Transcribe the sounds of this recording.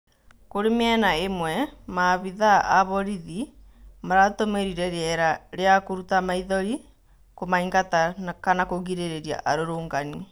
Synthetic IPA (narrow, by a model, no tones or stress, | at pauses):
koɾemɛnaemwɛmaβiðaːβɔɾiði | maɾatomeɾiɾɛɾeɛɾaɾeakoɾutamaiðɔɾi | komaiŋɡatankanakoɣiɾeɾeɾia̰ʔaɾoɾoːŋɡani